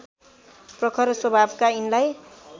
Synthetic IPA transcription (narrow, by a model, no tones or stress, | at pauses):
prʌkʰʌɾʌswʌbʱabkainlaj